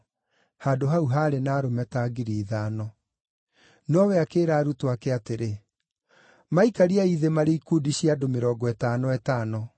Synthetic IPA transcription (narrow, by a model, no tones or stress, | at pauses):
haːdoɦauɦaːɾenaːɾomɛtaːɡiɾiːðaːnɔ | nɔwɛakeːɾaːɾutoakɛateɾe | maikaɾiaiðemaɾeikuːdiɕiadomeɾɔːɡɔɛtaːnɔɛtaːnɔ